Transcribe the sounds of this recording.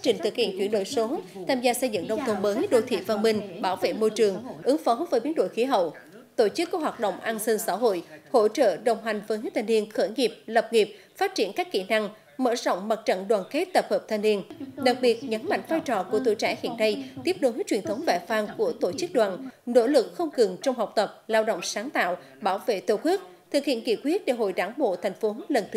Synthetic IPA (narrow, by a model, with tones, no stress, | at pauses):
a˦˥t͡ɕï˧˩ŋ̟t̪ɨ˨˩k̚hḭ˧˩əŋt͡ɕwi˧˩ənɗo̰˧˨jso˨˦t̪ʰaː˧mzaː˧sə˧jzɨ̰˧˨ŋɗə˧wŋ͡mt̪ʰə˧˩ŋ͡mməː˨˦jɗo̰˧˩t̪ʰḭ˧˨faː˧nɓï˧ŋ̟ɓaː˧˩wvḛ˧˨mo˧jt͡ɕɨ˨˩əŋʔɨ˨˦ŋfɔ˨˦vəː˨˦jɓi˨˦ənɗo̰˧˨jxi˨˦ɦə̰˧˨w | t̪o˧˩t͡ɕɨ˦˥kːu˧˩waː˨˩t̚ɗə̰˧˨wŋ͡mʔaː˧nsi˧ŋsaː˧˥ɦo̰˧˨jho̰˧˥˨t͡ɕə̰ː˧˨ɗə˨˩wŋ͡mɦa˨˩jŋ̟vəː˨˦jhəː˦˥t̪ʰa˧˩jni˧ənxəː˧˩jŋi˨˩p̚lə˨˩p̚ŋi˨˩p̚ | faː˦˥t̚t͡ɕi˧˩ənkaː˦˥kːḭ˧˩na˧ŋ | mə̰ː˧˥zɔ̰˧˨wŋ͡mma˨˩t̚t͡ɕə̰˧˨nɗwaː˨˩nke˦˥t̚t̪ə˨˩p̚həː˨˩p̚t̪ʰa˧jnːi˧ənɗa˨˩k̚ɓi˨˩ət̚ɲə˨˦nma̰˧˨jŋ̟vaː˧jt͡ɕɔ˨˩ku˧˩ət̪ʰṵ˧˨jt͡ɕa̰ː˧˥hḭ˧˨ənːa˧jt̪i˦˥əp̚ɗo˨˦hi˦˥t͡ɕwi˧˨˩ənt̪ʰə˨˦wŋ͡mva̰ː˧˩faː˧nku˧˩ət̪o˧˩t͡ɕɨ˦˥k̚ɗwaː˨˩nno̰˧˥lɨ˨˩k̚xə˧wŋ͡mkɨ˨˩ŋt͡ɕɔ˧wŋ͡mɦaː˨˩wk͡p̚t̪ə˨˩p̚laː˧wɗə̰˧˨wŋ͡msaː˨˦ŋt̪a̰ː˧˨w | ɓaː˧˩wvḛ˧˨t̪ə˧˩kwi˦˥ək̚t̪ʰɨ˨˩k̚hḭ˧˨ənki˧˩kwi˦˥ət̚ɗe˧˩ɦo̰˧˨jɗaː˧˩ŋɓo̰˧˨t̪ʰa˨˩jŋ̟fo˨˦lə˨˩nt̪ʰ